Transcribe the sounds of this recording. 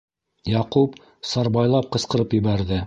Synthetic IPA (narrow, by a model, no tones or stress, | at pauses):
jɑqup | sɑɾbɑjlˠɑp̚qɤ̆sqɤ̆ɾɤpjɘ̆βæɾðɘ